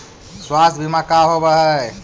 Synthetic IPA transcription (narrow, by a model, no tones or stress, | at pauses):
swast̪ʰbʱimakaɦobəɦə